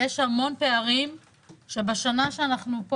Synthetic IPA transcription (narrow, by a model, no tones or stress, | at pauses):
jeʃhamo̞npe̞aʁim | ʃebaʃanaʃeanaχnup